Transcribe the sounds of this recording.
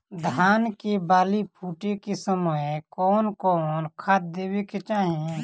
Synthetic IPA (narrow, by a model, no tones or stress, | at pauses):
d̪ʱaːnkebaːlipʰuːʈekisəməjkɔːnkɔːnkʰaːt̪̚d̪eːweket͡ʃaːɦĩ